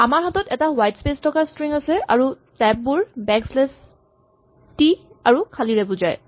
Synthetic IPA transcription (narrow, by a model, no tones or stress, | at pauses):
amaɹɦatɔtɛtawajtspestʰɔkastɹiŋasɛʔa̰ɹu | tɛb̚ːuɹbɛkslɛs | ti | aɹukʰaliɹɛbuzaj